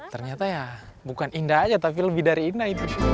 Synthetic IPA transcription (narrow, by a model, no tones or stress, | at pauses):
t̪ərɲat̪aja | bukanindaɦad͡ʒat̪ap̬iləbɪhdaɾiːndahit̪u